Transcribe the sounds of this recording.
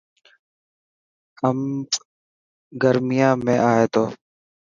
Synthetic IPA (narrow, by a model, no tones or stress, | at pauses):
əm | ɡəɾmɪjãːmẽːʔaːɦeːt̪ʰoː